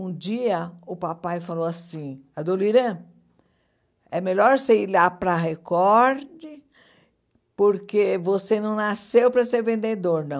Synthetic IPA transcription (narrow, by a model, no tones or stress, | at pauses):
ũd͡ʒiɐʊpapajfalowasĩad̪oliɾɐ̃ | ɛmeʎɔɾseilapɾɐɦekɔɾd͡ʒɪ | poɾkevosenɐ̃w̃nasewpɾɐseɾvẽnd̪ed̪oɾnɐ̃w̃